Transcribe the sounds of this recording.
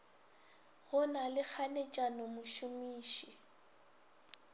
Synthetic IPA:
ɣʊnalɪk͡xʰanet͡ʃʼanɔmʊʃʊmiːʃi

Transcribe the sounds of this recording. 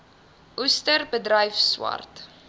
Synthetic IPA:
ʔustərbədrəjfswɐ̰rt

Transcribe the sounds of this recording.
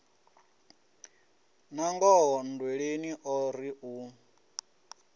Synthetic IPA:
naŋɡɔɦɔndweɺeniʔɔɾiʔu

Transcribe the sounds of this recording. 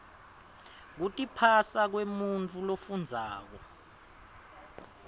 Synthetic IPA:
k̬utʼipʰasak̬wemunt͡fʰulofund͡zʱaːk̬ɔ

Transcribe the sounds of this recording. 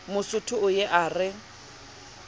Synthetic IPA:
mʊsʊtʰʊʊjeʔaːrɪ

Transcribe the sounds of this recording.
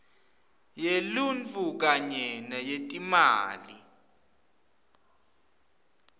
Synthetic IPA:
jelunt͡fʰuk̬aɲɛnajetʼimaːli

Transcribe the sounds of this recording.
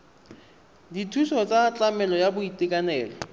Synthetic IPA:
ditʰusɔt͡sʼat͡ɬʼamɛlɔjabʊitʼɪkʼanɛːlɔ

